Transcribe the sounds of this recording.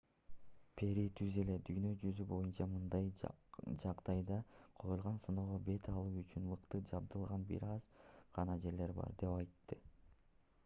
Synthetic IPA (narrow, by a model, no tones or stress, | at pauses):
pʰe̞ɾit̪ʰyze̞le̞d̪yjnø̞d͡ʒyzybo̞junt͡ʃɑmɯnd̪ɑjd͡ʒɑqd̪̥ɑjd̪ɑqʰo̞julˠʁɑnsɯnoʁobe̞t̪ʰɑlˠuːyt͡ʃynmɯqt̪ɯd͡ʒɑb̚d̪ɯlˠʁɑnbḭɾɑzʁ̥ɑnɑd͡ʒe̞ɾle̞ɾbɑ̰ɾd̪e̞pɑjt̪ːɯ